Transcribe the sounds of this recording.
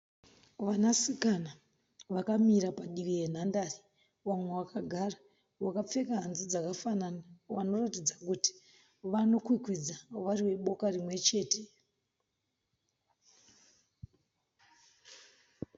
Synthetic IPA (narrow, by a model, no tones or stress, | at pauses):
ʋanasikana | ʋakamiɾapaɗiʋije̞n̤andaːri | wamwe̞wakaɡʱara | wakap͡fe̞kaɦanzid͡zakafananawano̞ratid͡zakuti̥ | ʋano̞kwikwid͡zaʋariwe̞ɓo̞karimwe̞t͡ʃe̞ːte̞